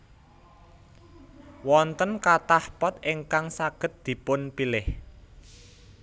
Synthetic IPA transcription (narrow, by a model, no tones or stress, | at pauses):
wɔnt̪ənkat̪ahpɔt̪ɪŋkaŋsaɡ̥ə̤t̪̚d̪̥i̤pʊnpilɪh